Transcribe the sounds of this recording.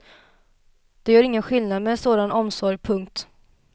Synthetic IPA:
d̪̥ɛjœːɾɪŋːənɧɪlnad̪mɛsoːd̪anɔmsɔɾjpʰɵŋk̚t̪

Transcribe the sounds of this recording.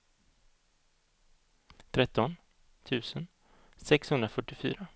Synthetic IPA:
t̪ʰɾɛt̪ːɔn | t̪ʰʉ̟ːsən | sɛkshɵnd̪ɾafœʈːɪfy̰ːɾa

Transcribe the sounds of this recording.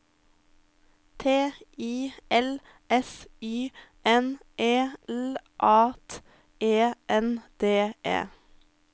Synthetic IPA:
t̪ʰeːiːɛl | ʔɛsyːʔɛnʔeːɛlʔɑːt̪ | eːʔɛnd̪̥eːʔḛː

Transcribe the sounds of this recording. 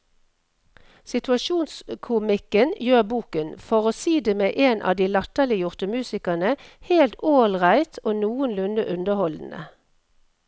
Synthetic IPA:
sɪt̪ʉɑʃuːnskʰʊmɪkənjøːʁbuːkənfɔʁoːsiːd̪eːmeːʔeːnʔɑ̰ːd̪iːlɑt̪əlɪjʊʁt̪əmʉːsɪkənəheːlt̪ʰoːlʁæɪt̪ʰoːnuːənlʉnəʔʉnd̪əhɔln̩ə̰

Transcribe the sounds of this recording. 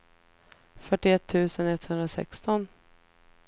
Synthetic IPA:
fœʈːɪɛt̪ʰːʉ̟ːsənɛt̪ːhɵnd̪ɾasɛ̰kst̪ɔn

